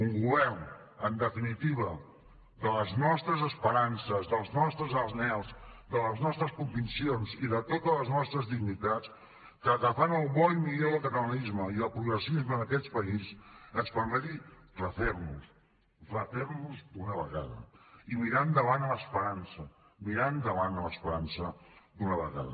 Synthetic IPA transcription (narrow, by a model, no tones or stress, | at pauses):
uŋɡuβɛrn | ənd̪əfinit̪iβ̞ə | d̪ələznɔst̪ɾəzəspəɾansəzðəlˠznɔst̪ɾəzəlnɛlˠzd̪ələznɔst̪ɾəskumbinsionziðət̪ot̪ələznɔst̪ɾəzðiɡnit̪at͡s | kəɣəfanəlˠβɔjmilewðəlˠkət̪ələlizməiðəlˠpɾuɣɾəsizməːnəkɛt͡spəizəzfambəðirləθɛrnus | tləθɛɾnuzd̪unəβəɣa̰ðə̰imiɾand̪əβanləspəɾansə | miɾand̪əβanələspəɾansəd̪unəβəɣa̰ðə̰